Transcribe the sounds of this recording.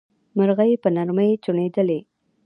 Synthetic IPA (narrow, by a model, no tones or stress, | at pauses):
məɾɣəjepənaɾməjt͡ʃuɳed̪əle